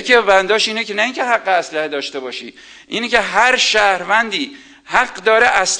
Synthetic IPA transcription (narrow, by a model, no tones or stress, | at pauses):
kʰebænd̪ɒːʃiːnecʰenæiːŋcʰeɦæɢːeæslæhed̪ɒːʃt̪e̞bɒːʃḭː | ʔiːnecʰe̞ɦæɾʃæhɾvænd̪iː | hæɢd̪ɒːɾeʔæs